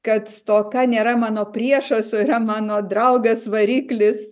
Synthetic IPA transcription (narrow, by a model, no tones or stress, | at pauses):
kɐt̪t̪oːkɐnʲeːɾɐmɑːnoːpʲɾʲiɛʃɐsʲoiɾɐmɑːnoːd̪ɾɐʊɡɐsʋɐɾʲiːklʲɪs